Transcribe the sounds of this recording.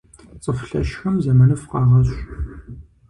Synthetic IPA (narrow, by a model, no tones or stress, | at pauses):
t͡sʼəfɬɐ̰ʃxɐmzɐmɐnɨfqɑːʁɐɕɕʷt